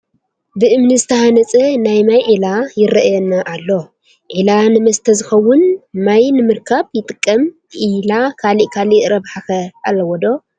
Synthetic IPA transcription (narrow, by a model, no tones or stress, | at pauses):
bɨʔɨmnɨzɨt̪ʰɐhanɐt͡sʼɐnajmajʕilajɪɾɐʔjɛnːaʔːlːo̞ | ʕilanɨmɐst̪ʰɐzɨxɐwːʊnmajnɨmɨɾkʰaβjɪt̪ʼɨkʼːɐm | ʕilakʰaliʔkʰaliʔɾɐβħaxɐalːɐwɔd̪o̞